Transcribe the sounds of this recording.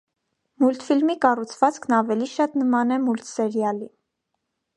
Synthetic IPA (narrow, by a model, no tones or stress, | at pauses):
mult̪filmikɑrut͡sʰvɑt͡skʰnɑvɛliʃɑt̪nəmɑnɛmult̪sɛɾjɑli